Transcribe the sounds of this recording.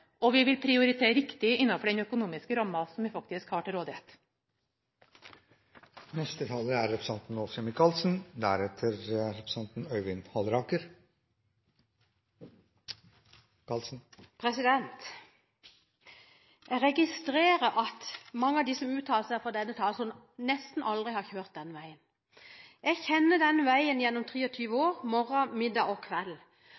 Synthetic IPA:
ɔʋɪʋɪlpʰɾɪʊɾɪt̪ʰeːɾɪkt̪ɪɪnːɑfɔɖɛnœkʊnuːmɪskəɾɑmːɑsɔmɪfɑk̚t̪ɪskhɑːʈɪlɾoːd̪ɪɛt̪ | nɛst̪ət̪ʰɑːləɾæɾɾɛpʰɾəsɑnt̪n̩ɔsɛmɪkʰɑlsn̩d̪æɾɛt̪ʰəɾɾɛpɾəsɑnt̪n̩œʏʋɪnhɑlɾɑːkəɾ | ɑlsn̩pʰʁɛsɪd̪ɛnt̪ | jæʁɛɡɪst̪ʁeːʁəɾʔɑt̪mɑŋːəɑʋd̪isɔmʉːt̪ʰɑːlsæfɔʁd̪ɛnːət̪ʰɑːlsɔm | nɛst̪n̩ʔɑld̪ʁɪhɑçøːʁt̪̚d̪ɛnːəʋæɪən | ɛɡçɛnːəd̪ɛnːəʋæɪənjɛnːɔmt̪ʰʁiːɔt̪ʰyːʋəoːʁmɔʁɑmɪd̪ɑːɔkʰʋɛl

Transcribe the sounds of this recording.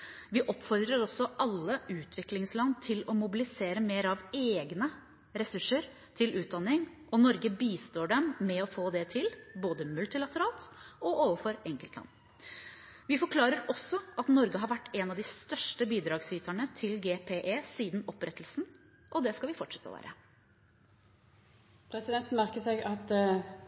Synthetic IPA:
ʋɪʔɔpfɔɾd̪ɾəɾɔsɔʔɑlːəʉːt̪ʰʋɪklɪŋslɑnːt̪ʰɪlɔmʊbɪlɪseːɾəmeːɾɑʋeːɡnə | ɾɛsʉʂːəɾ | t̪ʰɪlʉːt̪̚d̪ɑnːɪŋ | ʔɔnɔɾɡəbiːst̪oːɖɛmːɛɔfoːd̪ɛt̪ʰɪlboːd̪əmʉlt̪ɪlɑt̪əɾɑːlt̪ɔʔoːʋəɾfɔɾɛŋkəlt̪lɑ̰n | ʋɪfɔɾkʰlɑːɾəɾɔsːɔʔɑt̪nɔɾɡəɦɑɾʋæʈːɛnɑʋd̪ɪst̪œʂʈəbiːd̪ɾɑːɡsyːt̪ʰæɳət̪ʰɪlɡeːpʰeːʔeːsiːd̪n̩ɔpːɾɛt̪ːlsn̩ | ʔɔd̪ɛskɑlʋɪfɔʈʂɛ̥t̪ːə̰ʋæ̰ːɾə̰ | pʰɾɛsɪd̪ɛnt̪n̩mæʁkəsɛɡɑt̪

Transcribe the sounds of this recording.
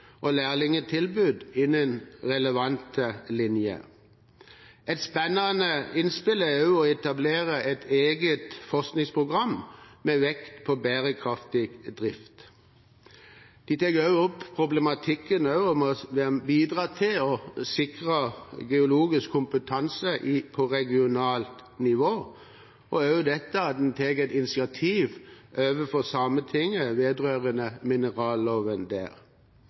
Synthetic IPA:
ʔɔlæːʁlɪŋət̪ʰɪlbʉːd̪ɪnənʁɛləʋɑnt̪əlɪnjə̰ | ɛt̪spɛnɑnəɪnspɪləɑʉɔɛt̪ɑbleːʁəʔɛt̪ʰeːɡət̪fɔʁsknɪŋspʰʁʊɡʁɑmmeːʋɛkt̪pʰɔbæːʁəkʰʁɑft̪ɪɡd̪ʁɪft̪ | d̪̥it̪ʰɛɡœʉɔpːpʰʁʊblɛmɑt̪ʰɪkːənœʉɔmɔʋbiːd̪ʁɑːt̪ʰɪlɔsɪkʁəɡɛʊloːɡɪskʰːʊmpət̪ʰɑnsəʔipʰɔʁɛɡɪʊnɑːlt̪nɪʋoː | ʔɔøʉəd̪ɛt̪ːəɑt̪̚d̪ɛnt̪ʰeːɡɛt̪ɪnɪsɪɑt̪ʰiːʋʔøːʋəfɔsɑmət̪ʰɪŋːəʋeːd̪ʁøːʁənəmɪnəʁɑːlːoːʋənd̪æ̰ːʁ

